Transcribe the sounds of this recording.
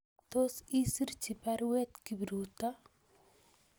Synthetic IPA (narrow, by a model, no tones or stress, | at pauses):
t̪osisiɾt͡ʃipaɾwet̪kibɾuːt̪a